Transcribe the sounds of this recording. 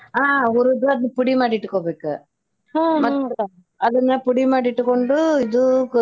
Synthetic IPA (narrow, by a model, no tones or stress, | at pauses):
aːɔɾɯðɐɐðɯpʊɽimaːʈːɪʈːɯkːoːpeːkːɯ | mɐt̪ː | ɐðɯnːaːpʊɽɪmaːʈɪʈːɯkːɔɳɖɯɪðɯk